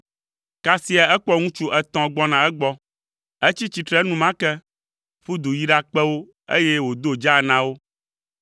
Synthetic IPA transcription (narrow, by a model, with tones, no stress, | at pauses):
ka˨si˦a˨ɛ˦k͡pɔ˦ŋũ˦t͡ʃu˦ʔɛ˦t̪ɔ̃˨ɡ͡bɔ˦nã˨ɛ˦ɡ͡bɔ˦ | e˦t͡ɕi˦t͡ɕi˨t̪ɾɛ˦nũ˦mã˦kɛ˦ | ɸu˦d̪u˨ji˦ɖa˦k͡pɛ˦wo˦ | ḛ˦je˦wo˨d̪o˦d͡ʒa˦˨nã˦wo˦